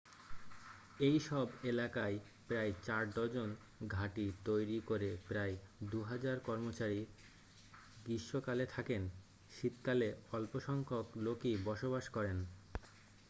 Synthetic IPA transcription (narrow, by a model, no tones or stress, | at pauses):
ejʃɔbelakae | pɾaet͡ɕaɾd̪ɔd͡ʑon | ɡʱaʈit̪ojɾikoɾepɾaed̪uɦad͡ʑaɾkɔɾmot͡ɕaɾi | ɡiʃːokalet̪ʰaken | ʃit̪kaleɔlpoʃɔŋkʰoklokibɔʃobaʃkɔɾen